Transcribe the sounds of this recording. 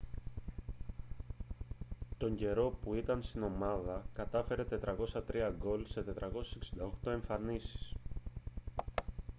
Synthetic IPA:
t̪o̞ɲɟe̞ɾo̞puit̪ɐnst̪ino̞mɐðɐkɐt̪ɐfe̞ɾe̞t̪e̞t̪ɾɐko̞sɐt̪ɾiɐɡo̞lse̞t̪e̞t̪ɾʔɐko̞se̥seksind̪ɐo̞xt̪o̞e̞ɱfɐnisi̥s

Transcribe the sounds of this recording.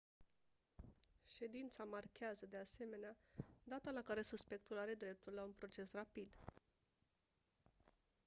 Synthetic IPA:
ʃe̞d̪int̪samarkʲeazəd̪e̞ase̞me̞nead̪at̪alakaɾe̞suspe̞k̚t̪ulaɾe̞d̪ɾe̞p̚t̪ulːaunpɾo̞t͡ʃe̞srapid̪

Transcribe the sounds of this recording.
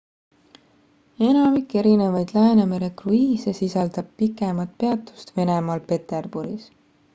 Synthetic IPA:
e̞nɑmikːˑe̞ɾine̞vɑjd̪læːnemeɾe̞kruiːsesisɑld̪̥ɑb̥̚pikːˑe̞mɑt̪̚pe̞ɑt̪ːˑu̥st̪ve̞nemɑlpe̞t̪e̞rb̥uɾis

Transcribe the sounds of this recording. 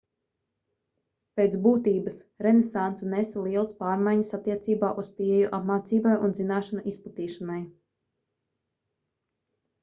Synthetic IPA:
pet̪buːt̪iːbəs | ɾɛnesant̪sanɛsalˠiɛlˠəspaːɾmajɲasat̪ːiɛt̪siːbaːʔuspiːejuʔapmaːt̪siːbajʔunzinaːʃanuʔisplˠat̪iːʃanaj

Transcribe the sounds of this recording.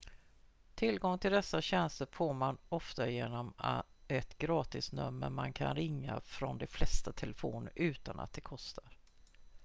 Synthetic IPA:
t̪ʰɪlɡɔŋːt̪ʰɪld̪ɛsːaɕɛnst̪əɾfoːɾmanɔft̪ajeːnɔma | ɛt̪ɡɾɑːt̪ɪsnɵ̰mːə̰ɾmankʰanɾɪŋːa̰fɾɔnd̪ɛflɛst̪at̪ʰɛləfoːnɾʔʉ̟ːt̪anʔa̰t̪̚d̪ɛkʰɔst̪ʰaɾ

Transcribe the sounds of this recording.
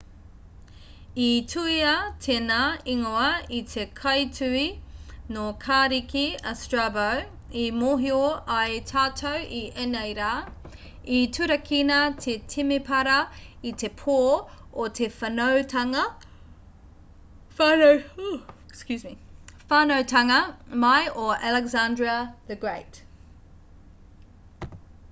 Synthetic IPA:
itʰuiɐtʰenaːiŋoɐitʰekʰɐjtʰʉinokʰaːɾikiɐstɹabɐw | imoːɦioɐjtʰaːtʰowʔiʔenɐjɾaː | itʰʉɾɐkʰinɐtʰetʰimepʰɐɾɐitʰepʰoːotʰefɐnowtʰɐŋɐ | fan | skjʉːzmifaːnowtʰɐŋɐmajʔoɛlɛɡzandɹiɐðəɡɹejt

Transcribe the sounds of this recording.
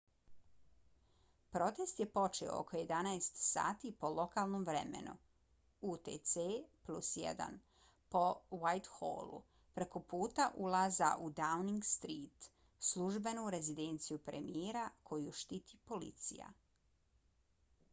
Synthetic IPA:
pɾo̞t̪e̞st̪je̞po̞t͡ʃeo̰o̰kʰoje̞d̪anaest̪sa̰ːt̪ipo̞lo̞kalˠnomʋɾḛmḛnṵ | ut̪ḛt̪seplusjḛd̪a̰n | po̞wajt̪xo̰ːlˠṵ | pɾe̞ko̞puːt̪aʔulˠaza̰ʔud̪awniŋɡst̪ɾiːt̪ | slˠuʒbe̞nuɾe̞zid̪e̞nt̪sijupɾemijeːɾakʰo̞juʃt̪iːt̪ʰipo̞lḭt̪sḭja̰

